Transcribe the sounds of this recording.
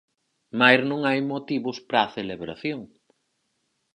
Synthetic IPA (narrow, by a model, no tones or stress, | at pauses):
majznõŋajmot̪iβʊspɾaθeleβɾa̰θjoŋ